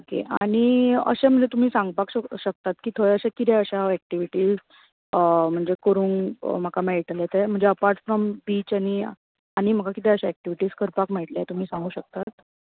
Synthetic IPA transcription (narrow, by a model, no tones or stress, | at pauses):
okḛʔa̰ɽ̃iə̰ɕem̤əɳd͡zet̪um̤iːsãŋɡpakɕɕək̚t̪at̪kiːt̪ʰoɭɛəɕẽkit̪ɛəɕaæk̚ʈiʋiʈiːz | m̤əɳd͡zekəɾuːnm̤əkamɛɭʈ̪let̪em̤əɳd͡zeəpaɾʈfɾɔmbiːt͡ɕaɽ̃i | aɽ̃im̤əkakit̪ɛəɕaæk̚ʈiʋiʈiːskəɾpakmɛʈljat̪um̤iːsãŋɡuːɕək̚t̪at̪